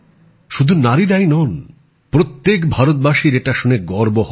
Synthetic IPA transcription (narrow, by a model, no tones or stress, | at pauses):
ʃud̪ʱunaɾiɾajnɔn | pɾot̪ːekbʱaɾot̪̚baʃiɾeʈaʃuneɡɔɾboɦ